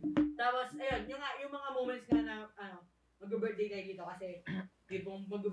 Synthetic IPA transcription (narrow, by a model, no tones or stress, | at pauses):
t̪aposɐjonjʊŋaʔjʊŋmɐŋamomɛnt̪sŋanɐɐno̞ | mɐɡɛbɛt̪̚d̪ejkɐjʊd̪iːt̪okɐsɛd̪iboŋmɐɡʊ